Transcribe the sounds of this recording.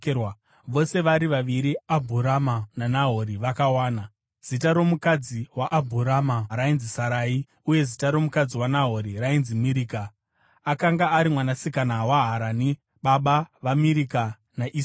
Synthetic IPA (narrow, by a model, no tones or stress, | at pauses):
w | ʋo̞se̞ʋaɾiʋaʋiɾiabʱuɾamananaɦo̞ɾiʋakawaːna | z̥itaɾo̞mukad͡ziwaʔabʱuɾamaɾainzisaɾaːi | uje̞zitaɾo̞mukad͡ziwanaɦoɾirainzimiɾiːka | akaŋɡaːɾimwanasikanawaɦaɾani | ɓaɓaʋamiɾika | naʔi